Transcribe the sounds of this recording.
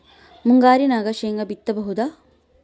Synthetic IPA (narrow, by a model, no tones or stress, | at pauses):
muŋɡaːɾinaːɡɐʃeːŋɡɐbit̪ːɐbɐɦud̪a